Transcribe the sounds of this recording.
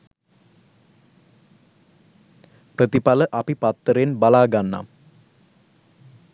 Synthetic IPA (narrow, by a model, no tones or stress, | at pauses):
prət̪ipaləʔɐpipat̪ːəɾenbalaːɡanːa̰m